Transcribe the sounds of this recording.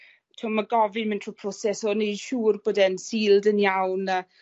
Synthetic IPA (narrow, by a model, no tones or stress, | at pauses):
tʰomaɡɔvɪnmɪntʰr̥upʰrosɛsɔned̥ʃuːrboːdɛnsiːlˠdənjawnəː